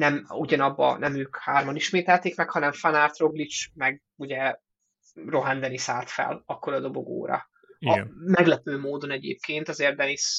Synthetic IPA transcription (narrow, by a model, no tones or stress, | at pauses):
nɛmuɟɒnɒbːɒ̰nɛmøːkhaːrmoniʃmeːt̪ɛlt̪eːkmɛkhɒnɛɱfanaːrt̪ro̞ɡlit͡ʃmɛɡ | uɟɛ | ro̞ɦand̪ɛnisaːlt̪fɛ̰lɒkːo̞ɾɒd̪o̞bo̞ɡo̰ːɾɒ̰ | ɒmɛɡlɛpøːmoːd̪o̞nɛɟḛːp̚kʰeːnt̪ɒzeːrd̪ɛnis